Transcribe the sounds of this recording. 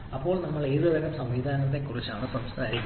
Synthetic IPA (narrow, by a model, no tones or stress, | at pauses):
ɐpːo̞ːɭnɐmːɐɭeːðɨʋeɣɐmsɐmʋiːd̪ʱaːnɐt̪̬ːekːurit͡ɕːaːɳɨprɐmt͡ɕt̪aɾi